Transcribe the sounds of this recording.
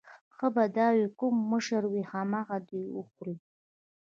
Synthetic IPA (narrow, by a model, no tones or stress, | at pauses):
χəbadaːɥikʷʼʊmːɨʂarwiħamaʁadiʊχʷritʼ